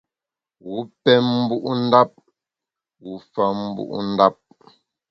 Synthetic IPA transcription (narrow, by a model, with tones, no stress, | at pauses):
wu˨˦pɛ˦mm̩˦bu˦ʔu˦n̩˦da˦p̚ | wu˨˦fa˦m̩˦bṵ˦ʔṵ˦n̩˦da˦p̚